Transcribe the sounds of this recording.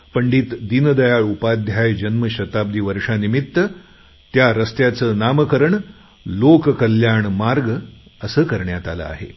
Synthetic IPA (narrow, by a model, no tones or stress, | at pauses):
pəɳɖiːt̪d̪inəd̪əjaɭupad̪ʱjajd͡ʑənməɕət̪ab̚d̪iːʋəɾʂanimit̪ːə | t̪jaɾəst̪jat͡səːnamkəɾəɳ | lokkəljaɳmaɾɡəsəːkəɾɳjat̪a̰la̰a̰ɦḛ